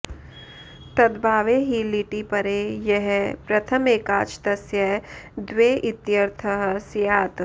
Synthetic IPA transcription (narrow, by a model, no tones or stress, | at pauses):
t̪ɐd̪bʱaːʋeɦiliʈipɐɾejɛɦɛpɾɐt̪ʰəmeːkaːt͡ʃt̪ɐsjɐd̪weːʔɪt̪jɐɾt̪ʰɐɦsjaːt̪